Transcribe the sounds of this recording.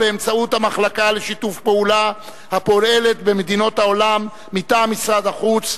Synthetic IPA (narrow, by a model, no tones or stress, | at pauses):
beːmt͡saut̪hamaχlakale̞ʃitufpeula | hapo̞ɾe̞le̞t̪be̞med̪ino̞t̪hao̞lamː | it̪aːmːisʁad̪aχut͡s